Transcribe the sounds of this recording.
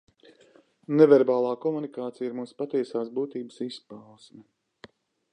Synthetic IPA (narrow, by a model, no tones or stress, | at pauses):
nevɛɾbaːlˠaːkɔmunikaːt̪sijiɾmuːspat̪iɛsaːsbuːt̪iːbəsispawsmʲɛ